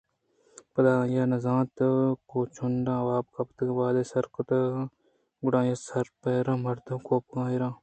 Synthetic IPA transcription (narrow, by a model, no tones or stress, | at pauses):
pɐd̪aːjaːnɐzãːt̪koːt͡ʃʰuɳɖãːʋaːb̚kɐpt̪ʋaːd̪eːsɐɾkot̪ɐ | ɡʊɽãːjaːsɐɾpeːɾãːmɐɾt̪ɐkoːp̚kãːiɾãː